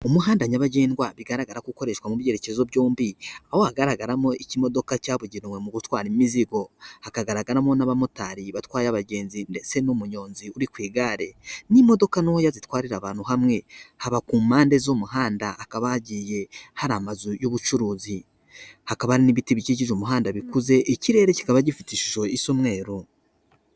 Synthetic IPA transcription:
umuɦaːndaɲaβaɟe̞ːnɡwaβiɡaɾaɡaɾakuko̞ɾe̞ʃwamuβje̞ɾecezoβɟoːmbiaho̞haɡaɾaɡaɾamo̞icimo̞do̞kacaːβuɟiɾimwe̞muɡutwaːɾimiziɡo̞hakaɡaɾaɡaɾamo̞naβamotaɾiβatwaːjaβaɟe̞ːnzindet͡se̞nomuɲo̞ːnziuɾikwiːɡaɾe̞nimo̞do̞kanohojazitwaːɾiɾaβaːn̥huɦamŋe̞haβakuːmaːnde̞zomuɦaːndaʔːkaβaːɟije̞haɾamazujoβut͡ʃuɾuːzi | hakaβahaɾiniβitiβiciɟiʒomuɦaːndaβikuze̞ʔiciɾe̞ɾeci̥kaβaɟifitiʃu̥ʃo̞isomŋe̞ːɾo

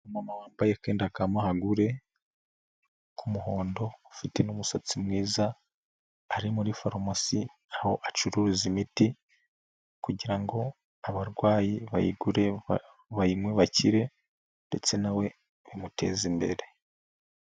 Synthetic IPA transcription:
umamawaːmbajeke̞ːndakamahaɡuɾe̞ | kʰumuho̞ːndo̞ːfite̞numusat͡simŋiːza | aɾimuɾifaɾomasi | aho̞ʔat͡ʃuɾuɾuzimiti | kuɟiɾaŋɡo̞ | aβaɾɡwaːjiβa̰jḭɡuɾe̞ | βaimweβaciɾe̞ | nde̞t͡se̞nawe̞ | βimutʰe̞̰ːzimbe̞̰ɾe̞

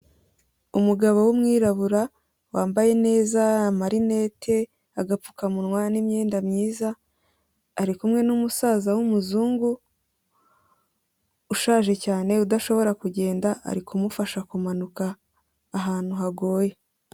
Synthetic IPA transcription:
umuɡaβo̞wumŋiːɾaβuɾa | waːmbaje̞ne̞ːzamaɾine̞ːtʰe̞ | aɡapu̥kamunŋwanimɲeːndamɲiːzaː | ɾikumŋe̞numusaːzawumuzuːŋɡu | ʃaːʒe̞caːne̞udaʃo̞βo̞ɾakuɟe̞ːndaa̰ɾikumufaʃakumanukaː | ɦaːn̥huɦaɡo̞ːje̞

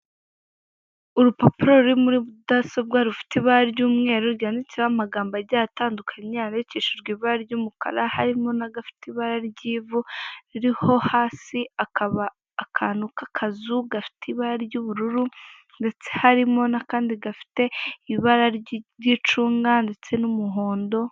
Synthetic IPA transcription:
uɾupopiɾoɾuɾimuɾiβudasobɡaɾufi̥tiβaɾaɾɟuːmŋe̞ːɾuɾɟaːndiciɾamaɡaːmbaɾɟataːndukʰaɲaɾjiciːʃuɾɡiβaɾaɾɟumukʰa̰ɾahaɾimo̞naɡafi̥teiβaɾaɾɟiːvuɾiɾiho̞haːsiakaβaː | kʰanukakʰazuɡafi̥teiβaɾaɾɟuβuɾuɾu | nde̞t͡se̞haɾimo̞nakaːndiɡafi̥te̞iβaɾaɾɟit͡ʃuːŋɡande̞t͡se̞numuɦo̞ːndo̞

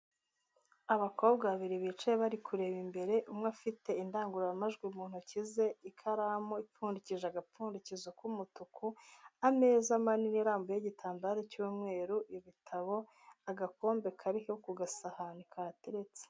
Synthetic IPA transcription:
aβakʰo̞ːbɡaβiɾiβit͡ʃeeβaɾikuɾe̞ːβimbe̞ɾe̞ʔumŋafite̞indaːŋɡuɾaamaʒɡwimuːn̥hucize̞ikʰaɾamoipuːndiciʒaaɡapuːndicizakumutukʰuame̞ːzamaniniɾaːmbojeɟitʰaːmbaɾecuːmŋe̞ːɾuʔiβitʰaβo̞ | aɡako̞ːmbe̞kʰaɾihekuɡasahanikʰateɾet͡se̥

